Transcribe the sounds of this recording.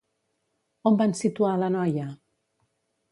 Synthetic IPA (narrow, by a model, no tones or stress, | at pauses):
ombansit̪ualənɔjə